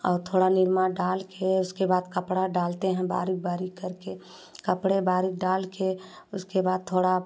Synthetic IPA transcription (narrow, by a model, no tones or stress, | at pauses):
ɔ̰ːɾt̪ʰoːɽanɪɾmaɖaːlkʰeʊskebaːd̪kəpɽaɖaːlt̪eɦɛ̃ba̰ːɾik̚baːɾikːəɾke | kəpɽebaːɾik̚ɖaːlke | ʊskebaːd̪̚t̪ʰoːɽa